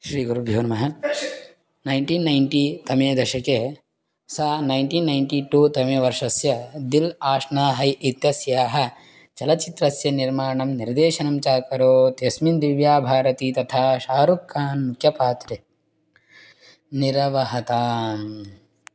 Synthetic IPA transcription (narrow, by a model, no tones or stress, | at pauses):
ʃɾiːɡuɾubʱjoːnɐmɐɦɐ | nɐjɳʈiːnːɐjɳʈiːt̪ɐmeːd̪ɐʃɐkeː | saːnɐjɳʈiːnːɐjɳʈiːʈuːt̪ɐmeːʋɐɾʂɐsjɐd̪ilaːʂnaːɦɐjit̪jɐsjaːɦɐ̆ | t͡ʃɐlɐt͡ʃit̪ɾɐsjɐniɾmaːɳɐmniɾd̪eːʃɐnɐmt͡ʃaːkɐɾoːt̪esmind̪iʋjaːbʱaːɾɐt̪iːt̪ɐt̪ʰaːʃaːɾukːaːnmukʰjɐpaːt̪ɾi | niɾɐʋɐɦɐt̪aːm